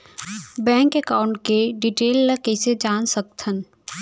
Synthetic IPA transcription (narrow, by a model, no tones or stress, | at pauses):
bɛ̃ːŋkekaːʊɳʈ̚keɖiʈeːlːəkɛːsed͡ʒaːnsək̚t̪ʰən